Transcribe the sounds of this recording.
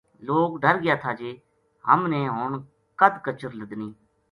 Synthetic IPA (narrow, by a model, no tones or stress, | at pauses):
loːkɖəɾɡɪjaːt̪ʰaːd͡ʒeː | hə̰mneːɦoːɳ | kəd̪kət͡ʃəɾləd̪niː